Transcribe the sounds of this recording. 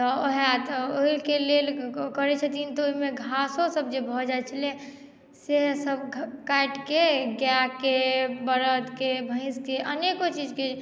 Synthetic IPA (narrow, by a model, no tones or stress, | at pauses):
t̪ɔoɦat̪oikelelkəɾɛt͡ʃʰət̪int̪ɔoimeɡʱasõsəbd͡ʒebʱɔd͡ʒajt͡ʃʰəlɛ | seɦsəbʱkaʈkeɡjakebəɾəd̪kebʱə̃ɪ̃skeʔənekot͡ʃid͡ʒke